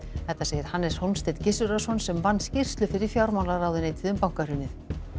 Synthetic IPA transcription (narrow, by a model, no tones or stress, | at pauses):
θɛht̪ːaseːjɪɾ̥hanːɛshɔwlnst̪ejt̪cɪsʏɾasɔnsɛmvanːscɪr̥st̪lʏfɪɾɪɾ̥fjawɾmawlaɾawðɪnejt̪ʰɪðʏmpawŋ̥kar̥ʏnɪθ